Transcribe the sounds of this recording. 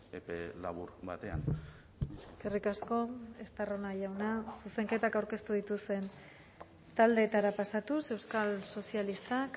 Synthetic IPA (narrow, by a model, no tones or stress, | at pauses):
epelaβuɾbat̪e̞a̰n | ekerikasko̞e̞st̪aro̞naʝawnasuse̞ŋke̞t̪akawɾke̞st̪uð̞it̪ust̪e̞n | t̪ald̪e̞ːt̪aɾapasat̪use̞wskalso̞sialist̪ak